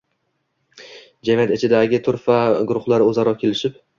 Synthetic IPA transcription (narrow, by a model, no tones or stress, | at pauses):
d͡ʒamijat̪ɪt͡ʃʰɪd̪aɡʲɪt̪ʰʊɾfaɡʊɾʊχlˠaɾɪozaɾɒkʲʰe̞lɪʃɪp̚